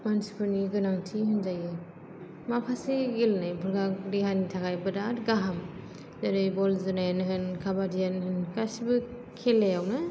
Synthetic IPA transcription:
mansi̥pʰɯɾniɡɯnamtʰiɦɯnzajɯ | mapʰaseɡilnajbʰɯlɡakdiɦanitʰakʰajbɯdatɡaɦam | zaɾɯjbɔlzɯnajanɯɦɯnkʰabadijanɦɯnkasibɯ | kʰelejawnɯ

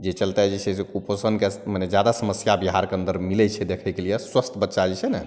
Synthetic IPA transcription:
d͡ʒet͡ʃəlt̪ɛd͡ʒiseseuposənkeməned͡ʒjad̪asəməsjabiɦaɾkeə̃nd̪əɾmilɛt͡ʃʰɛd̪ekʰɛkelijeswəst̪ʰbətːʃad͡ʒit͡ʃʰɛne

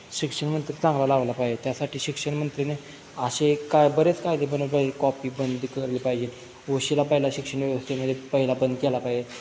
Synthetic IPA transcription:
ɕikʂəɳmənt̪ɾit͡sãŋɡlalaʋlapajd͡ʑet̪jasaʈʰiːɕikʂəɳmənt̪ɾine | əɕekajbəɾet͡skajd̪ebənəpəkɔpiːbənd̪ʱkəɾlipaɦd͡ʑen | ʋoɕilapəɦilaɕikʂəɳʋjəʋəst̪ʰeməd̪ʱːjepəɦilabənd̪kɛlapaje

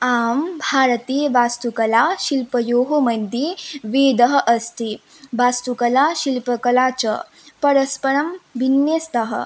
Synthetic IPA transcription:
aːmbʱaːɾɐt̪iːjʋast̪ukɐlaʃilpɐjoːɦomɐd̪ʱjiʋeːd̪ɐɦəʔɐst̪i | ʋast̪ukɐlaʃilpɐkɐlat͡ʃɐ̰ | pɐɾɐspɐɾɐmʋinjest̪ɐɦə̰

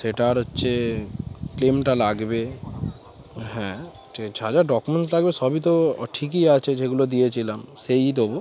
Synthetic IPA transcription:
seʈaɾotːʰe | klemʈalaɡbe | ɦɛ̃ | et͡ɕʰad͡ʑaɖɔkumeɳʈslaɡbesɔbit̪̬oʈʰik̬iat͡ɕʰed͡ʑeɡulod̪ijet͡ɕʰilamsejd̪obo

